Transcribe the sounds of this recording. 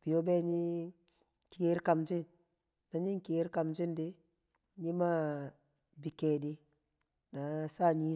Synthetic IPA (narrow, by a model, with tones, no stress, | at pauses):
b̥i˨jo˦be˦ɲi˦ | ki˨ɡe˦ɾka˨md͡ʒi˦n | na˨ɲi˦ŋke˦ɾka˨md͡ʒi˦ndi˦ | ɲi˦ma˦ | bi˨ke˨di˦ | na˨sa˦ɲi˦